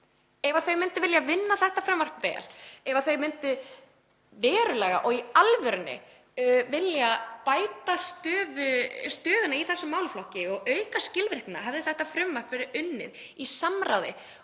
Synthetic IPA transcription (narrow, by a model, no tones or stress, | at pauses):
ɛvaθœɥmʏnt̪ʏvɪljavɪnːaθɛht̪afɾʏmvar̥pvɛ̰ːlɛvaθœɥmɪnt̪ʏ | vɛːɾʏlɛːɣa̰ʔɔɣialvœɾʏnːɪ̰ | vɪljapaːjt̪ast̪œːðʏst̪œːðʏnaiθɛsːɪmaːwlflɔhcɪɔɣœɥkascɪlvɾɪhknaɦɛvðɪθɛht̪afɾʏmvar̥pvɛɾɪʏnːɪ̰ðisamɾawðɪ̰